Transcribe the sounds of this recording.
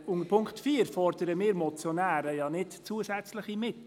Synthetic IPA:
ʊŋəɾpʰʊŋktfiːɾfɔrd̥əɾəmɪːɾmɔt͡sjonæːɾəjɑnɪtt͡suːəsɛt͡slɪχimɪt

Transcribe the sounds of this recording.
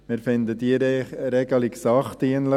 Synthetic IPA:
mɪɾfɪndədiɾɛɡəlɪksɑχtiənlə

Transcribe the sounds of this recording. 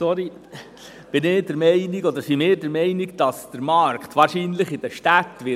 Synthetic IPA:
sɔɾi | b̥ɪnɪːdəɾmɛɪniɡɔd̪əɾsimɪːɾdəɾmɛɪniɡd̥ɑsd̥əɾmɑɾkt̪ʋɑːɾʃiːnləχɪdəʃtat̪ːʋɪ

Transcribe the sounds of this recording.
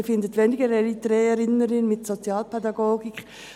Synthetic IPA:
fɪndətʋɛnɪɡəɾɛɾitʁɛːɛɾɪnəɾɪnmɪtsot͡sjaːlpʰɛdɑɡoːɡɪk

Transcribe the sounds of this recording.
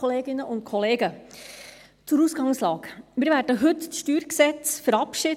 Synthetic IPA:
oleːɡɪnːəʔʊnt̪̚kʰɔleːɡə | t͡sʊɾuːsɡ̥ɑŋslɑːkmɪɾʋæːɾdəɦɵt̪t͡sʃtyːɾksɛt͡sfəɾɑpʃɪ

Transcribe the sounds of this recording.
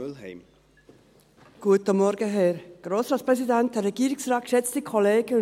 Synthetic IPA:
lhɛɪm | ɡ̥uətəmɔɾɡəɦɛɾɡ̥ɾoːsɾɑːspɾɛsidænt̚dɛɾɛɡiːɾiksɾɑːt̚kʃɛt͡stikʰɔleːɡ̥ə

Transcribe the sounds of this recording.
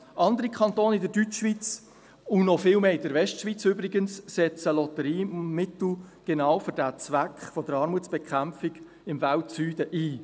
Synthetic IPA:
ʔɑnd̪əɾikʰχɑnt̪oːnɪdəɾdyt͡ʃʃʋit͡s | ʊnɔfɪːlmeːɪdəɾvɛʃtʃʋit͡søbɾɪɡənssɛt͡səlɔt̪əɾiːmɪt̪l̩ɡ̥enɑːwfʏɾdæt͡svækχfɔd̥əɾɑɾmut͡sb̥ɛkʰχæmfɪɡ | ɪmvaltsyːd̥əʔiː

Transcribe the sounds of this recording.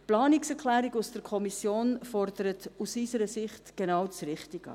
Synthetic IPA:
plɑːniksɛɾkʰlæːɾiɡusd̥əɾkʰɔmisjoːnfɔrd̪əɾətusisəɾəsɪχtɡ̥enɑːwt͡srɪχtiɡ̥̰

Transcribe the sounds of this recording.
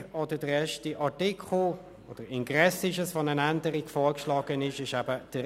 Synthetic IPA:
ɔd̥əd̥əɾɛʃtiʔatɪkʰχl̩ | ʔɔd̥əɾɪnɡʁɛsɪʃəsfonənændəɾiɡfɔːɹkʃlɑːɡ̥ənɪʃɪʃæbəd̥ə

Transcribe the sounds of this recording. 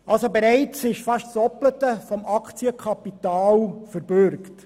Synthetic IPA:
ʔɑlsobɛɾɛɪt͡sɪʃfɑʃtsɔplətəfɔmɑkʰt͡siəkʰχɑpitɑːlfəɾb̥ʏɾkt

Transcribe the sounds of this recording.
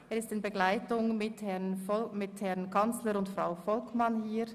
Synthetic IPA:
eːʁɪstɪnbəɡlaɪtʊŋmɪthɛɐnfɔmɪthɛɐnkʰant͡sləɾʊntfʁaʊfɔlkmanhiː

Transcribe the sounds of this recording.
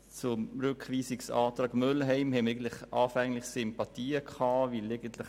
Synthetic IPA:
t͡sʊmɾʉkχviːsɪksɑːtɾɑːɡmølɦɛɪmhɛməɾɛɪən̩tlɪχɑːfɛŋlɪχsʏmpɑt̪iːəkʰχɑːvilɛɡənt̪lɪχ

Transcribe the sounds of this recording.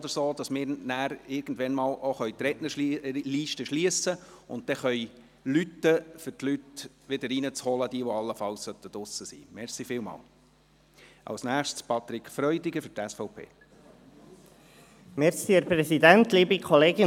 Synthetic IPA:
d̥̪əɾsoːd̪ɑsmɪːɾnæːɾɪɾɡ̥n̩d̪ʋɛnmɑːloχœʏt̪ɾɛʔnəliʃtəʃliəsəʊnt̚t̪ɛχœʏ | lyt̪ːəfʏɾtlyt̪ | ʋɪd̪əɾinət͡shɔləd̪iəʋɔɑlːəfɑlssœt̪ːəd̥̪ʊsːəsḭːmɛɾsifɪːlmɑ̰ːl | ʔɑ̰lsnæːχʃtspʰɑt̪ɾɪkʰfɾœʏd̪ɪɡəfʏɾtɛsfɔʊpʰḛː | mɛɾsiɛɾpɾɛsid̪ænt̪liːbikʰɔleːɡɪ

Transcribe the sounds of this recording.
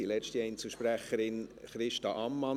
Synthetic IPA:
ilɛʃtiɛɪnt͡suʃpɾæχəɾɪnχɾɪʃtɑʔɑmːɑ

